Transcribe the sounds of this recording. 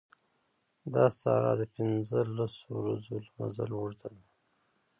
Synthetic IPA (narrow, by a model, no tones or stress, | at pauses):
d̪ɑsɑɾɑd̪əpɪnzəlasowɾazolmazalwuʐd̪ad̪a